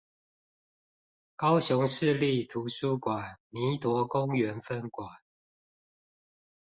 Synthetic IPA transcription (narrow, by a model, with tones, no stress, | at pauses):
kɑ˦ʊɕʊ˧˦ŋʂɻ̩˥˧li˥˨t̪ʰu˨˦ʂu˥˩kwa˨˩nni˨˦t̪wɔ˨˥kʊ˦ŋɥɛ˨˦nfə˥˦˩nkwa˨˩˦n